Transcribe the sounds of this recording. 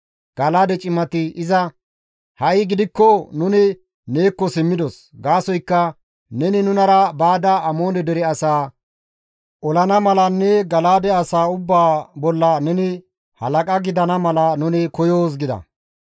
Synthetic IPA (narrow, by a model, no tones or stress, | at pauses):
ɡ̥ɐlaːd̪ɛt͡ʃʼɪmɐt̪ɪɪzɐ | hɐɪɡɪd̪ɪkːɔnʊnɪ | neːkːɔsɪmːɪd̪ɔs | ɡaːsɔjkːɐ | nɛnɪnʊnɐɾɐbaːd̪ɐɐmo̞ːnɛd̪ɛɾɛɐsaː | ʔɔlɐnɐmɐlɐnːɛɡɐlaːd̪ɛɐsaːʊbːaːbɔlːɐnɛnɪ | hɐ̰lɐkʼɐɡɪd̪ɐnɐmɐlɐnʊnɪkɔjoːs̬ɡɪd̪ɐ̰